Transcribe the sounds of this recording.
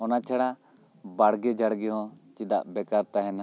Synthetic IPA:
ɔnat͡ʃʰaɽa | baɽɡɛd͡ʒaɽɡɛɦɔ̃t͡ʃid̪a̰ʔbɛkaɾt̪aɦɛn

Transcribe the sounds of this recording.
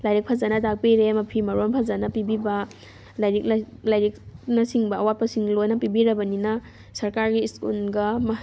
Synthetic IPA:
lajɾik̚pʰazanɐtak̚piɾemɐpʰimɐɾonpʰazanɐpibibɐ | lajɾik̚ | lajɾik̚nɐsiŋbɐːwat̚pɐsiŋlojnɐpibiɾɐbɐninɐ | sɐɾkaɾɡiːskunɡɐm

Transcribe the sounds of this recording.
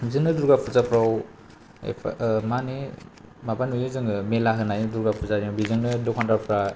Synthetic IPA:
zɯnɯduɾɡapʰuzapʰɾaw | ḛpʰmani | mabanujɯzɯŋɯmelaɦɯnajduɾɡapʰuzaɾiabizɯŋnɯdɔkʰandaɾpʰɾa

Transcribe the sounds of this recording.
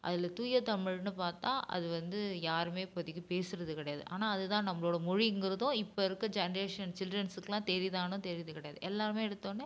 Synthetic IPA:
ʔɐ̰ðɪlɐt̪uːjɐt̪ɐmɪɻnɯpaːɾt̪ãːʔɐ̰ðɯʋɐnd̪ɯjaːɾɯmeːpɔðɪɣɯpeːsɯɾɐðɯkɪɽɐjaːðɯ̰ʔa̰ːnaːɐðɯt̪ãːnɐmːɐɭoːɽɐmɔɻɪɛŋɡɪɾɐðõɪpːɐɪɾɯkːɐd͡ʒɛnɐɾeːʂɐnt͡ʃɪlɖrɐnsɯkːɯlãːt̪ɛɾɪðaːnʊ̃t̪ɛɾɪðɯkɪɽɐjaːðɯʔɛlːaːɾɯmeːɛɽɯt̪ːoːnːɯ

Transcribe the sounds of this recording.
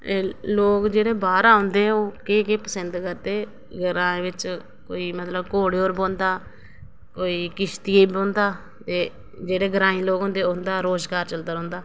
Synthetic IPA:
loːkd͡ʒeːɽeːbaːɾaːõːnd̪eːɛ̃oːkeːkeːpəsənd̪kəɾd̪eː | ɡəɾãːẽːʋɪt͡ʃ | koːiːmət̪ləbkoːɽeːoːɾbõːnd̪aː | koːiːkɪʃt̪iebõːnd̪aː | t̪eː | d͡ʒeːɽeːɡəɾãːĩːloːɡɦõnd̪eːʊnd̪aːɾoːzɡaːɾt͡ʃəld̪aːɾɦõːnd̪aː

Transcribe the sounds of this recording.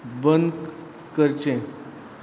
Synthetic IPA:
bənd̪ | kəɾt͡ɕẽ

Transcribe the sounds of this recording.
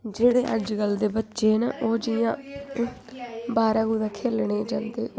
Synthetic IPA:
d͡ʒeːɽeːʔə̰d͡ʒɡəld̪eːbətːʃeːnaːʔoːd͡ʒɪjãː | baːɾãːɡuːd̪ãːkʰeːlɳeːd͡ʒãːnd̪eː

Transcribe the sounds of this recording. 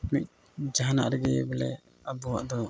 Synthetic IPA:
mic̪̚ | d͡ʒaɦana̰ʔɾɛɡɛbɛlɛ̰ | abɔwa̰ʔd̪ɔ

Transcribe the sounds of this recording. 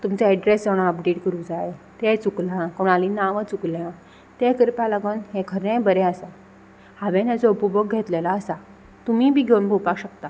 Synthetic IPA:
t̪umt͡seɛɖɾesəɽ̃ãəpɖeʈkəɾũd͡zaet̪ẽt͡suklãkoɽ̃alinaʋət͡suklã | t̪ẽkəɾpalaɡənɦẽkʰəɾẽbəɾɛ̃əsa | haʋẽnad͡zɔupubok̚ɡʱet̪lelaəsa | t̪umiːbʱiːɡʱewunbʱopakɕək̚t̪a

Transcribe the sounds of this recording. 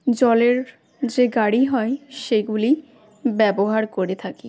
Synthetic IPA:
d͡ʑɔleɾ | d͡ʑeɡaɽiɦɔeʃeɡuli | bɛboɦaɾkoɾet̪ʰake

